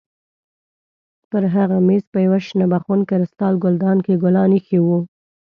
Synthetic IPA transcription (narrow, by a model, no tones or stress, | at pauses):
t̪əɾɦaɣamespəjawaʃnabaxunkaɾɪst̪ɑlɡʊld̪ɑnkeɡʊlɑnixiwu